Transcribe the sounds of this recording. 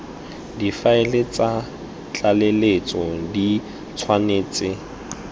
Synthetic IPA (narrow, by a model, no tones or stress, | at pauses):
difaɪlɪt͡sʼa | t͡ɬʼalelet͡sʼɔdi | t͡sʰwaneːt͡sʼɪ